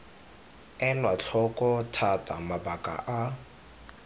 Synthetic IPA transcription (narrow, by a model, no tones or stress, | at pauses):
ɛnwat͡ɬʰɔkʼɔtʰatʼa̰mabakʼa̰ʔa